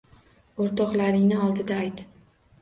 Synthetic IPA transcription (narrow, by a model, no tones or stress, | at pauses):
oɾt̪ʰɒqlaɾɪŋnɪɒlˠd̪ɪd̪aːjt̪